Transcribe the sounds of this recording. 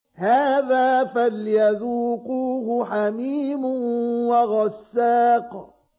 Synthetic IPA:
haːðaːfaljaðuːquɦʊħamiːmʊwaɣasːaːq

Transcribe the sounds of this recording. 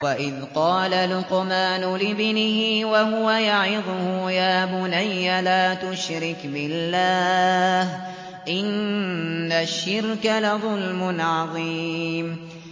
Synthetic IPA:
waʔɪðqɑːlalʊqʊmaːnʊlɪbnɪhiwaɦʊwajaʕɪðˤʊhʊjaːbʊnajːalaːt̪ʊʃɾɪkbɪlːaːh | ʔɪnː | aʃːɪɾkalaðˤʊlmʊnʕɑðˤiːm

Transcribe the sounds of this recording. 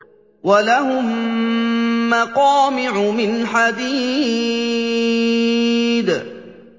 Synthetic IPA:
walaɦʊm | aqɑːmɪʕʊmɪnħad̪iː | d̪

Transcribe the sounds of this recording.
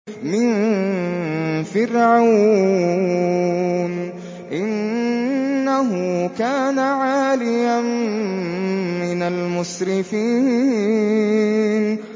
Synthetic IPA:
mɪn | fɪrʕaw | n | ʔɪnː | aɦʊkaːnaʕaːlɪjam | mɪnalmʊsɾɪfiː | n

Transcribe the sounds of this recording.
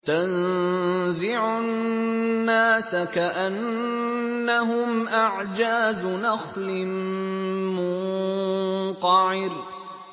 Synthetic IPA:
t̪an | zɪʕʊ | nːaːsakaʔanː | aɦʊmʔaʕd͡ʒaːzʊnaxlɪ | mʊn | t̪ɑʕɪɾ

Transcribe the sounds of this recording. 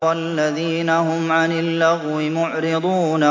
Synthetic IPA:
alːaðiːnahʊmʕanɪlːaɣɣwɪmʊʕɾɪd̪ˤuːna

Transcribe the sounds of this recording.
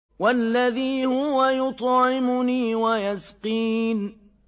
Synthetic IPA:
walːaðiːhʊwajʊt̪ˤʕɪmʊniːwajasqiːn

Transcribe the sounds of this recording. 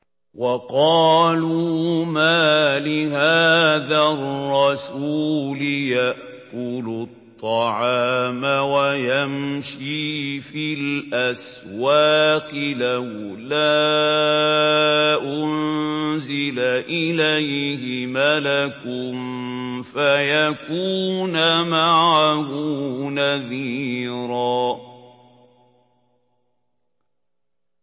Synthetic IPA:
wʔɑqɑːluːmaːlɪɦaːðarːɑsuːlɪjaʔ | kʊlʊt̪ˤːɑʕaːmawajamʃiːfilʔas | waːqɪlawlaː | ʔʊnzɪlaʔɪlajhɪmalakʊm | fajakuːnamaʕahʊnaðiːɾaː

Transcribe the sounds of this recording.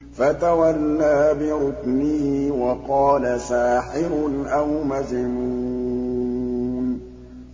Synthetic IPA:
fat̪awalːaːbɪɾʊknɪhiwɑqɑːlasaːħɪɾʊnʔawmazɪmuː | n

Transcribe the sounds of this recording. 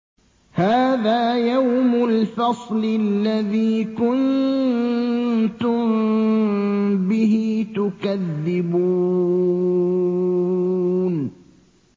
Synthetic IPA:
haːðaːjawmʊlfɑsˤlɪllːaðiːkʊn | t̪ʊm | bɪɦɪt̪ʊkaðːɪbu | n

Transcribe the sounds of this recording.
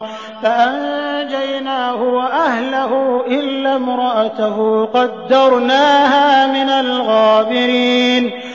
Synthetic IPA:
faʔand͡ʒajnaːhʊwaʔahlahʊʔɪlːamɾɑʔat̪aɦqɑd̪ːɑɾˤnaːhaːmɪnalɣaːbɪɾiːn

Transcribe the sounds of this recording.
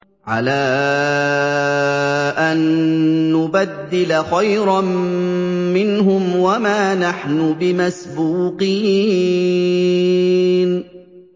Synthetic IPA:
ʕa̰laː | ʔanː | ʊbad̪ːɪlaxajɾɑm | mɪnhʊmwamaːnaħnʊbɪmasbuːqiː | n

